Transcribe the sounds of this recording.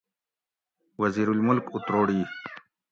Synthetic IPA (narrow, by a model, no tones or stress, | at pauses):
wɐziːɾulmʊlkut̪ɾoːɽiː